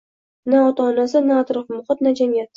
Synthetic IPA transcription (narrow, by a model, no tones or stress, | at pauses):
naɒt̪ʰaːnasɪnaːt̪ɾɒfmʊχɑt̪̚nad͡ʒamijat̪̚